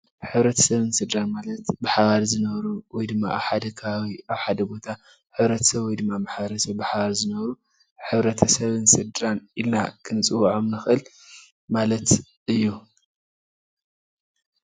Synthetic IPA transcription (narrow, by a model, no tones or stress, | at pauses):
ħɨβɾɐt̪ʰɐ̥sɐβɨnsɨd̪ɾanmalɐt̪bɨħaβaɾzɨnɐβɾuwɔjd̪ɨmːa̰a̰βħad̪ɐkʰaβawiaβħad̪ɐbo̞t̪ʰa | ħɨβɾɐt̪ʰɐ̥sɐβwɔjd̪ɨmːamaħβɐɾsɐβbɨħaβaɾzɨnɐβɾu | ħɨβɾɐt̪ʰɐsɐβɨnsɨd̪ɾanilnakʰɨnt͡sʼɨwʕomnɨxʔɨl | malɐt̪ | ʔɨjːu